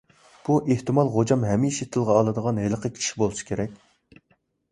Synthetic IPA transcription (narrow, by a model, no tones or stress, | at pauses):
b̥uʔeht̪ɨmɑlˠʁod͡ʒɑmɦɛmiʃet̪ʰɨlˠʁɑːlˠɨd̪əʁɑnɦelˠəqʰəkʲʰi̥ʃi̥bolˠɨʃi̥kʲʰeɾɛkʲ